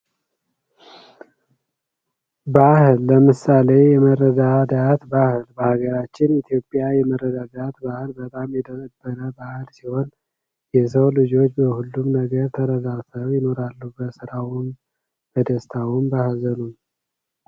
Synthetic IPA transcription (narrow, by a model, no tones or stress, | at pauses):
bahɨlːəmɨsale̞jɛməɾːəd̪ad̪at̪bahlbəhaɡəɾat͡ʃːɪnit̪ʰjo̞pʼːjajɛməɾːəd̪ad̪at̪bahɨlbət̪ʼamjɛd̪əkʼəb̥ːəɾəbahɨlsiho̞n | jɛsəwlɨd͡ʒo̞t͡ʃːbəhulːumnəɡəɾt̪ʰəɾəd̪at̪ʰəwjɪno̞ɾalːubəsɨɾawn | b̥əd̪əst̪ʰawumbahlzənu